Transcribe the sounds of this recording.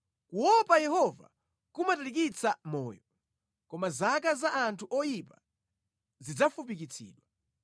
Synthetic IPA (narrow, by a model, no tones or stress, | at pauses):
kuwɔpajɛhɔva̰ | kumatalik̬it͡samɔːjɔ | kɔmazakazaʔːntʰuʔɔjipa | zid͡zafupikit͡sʰḭːɗwa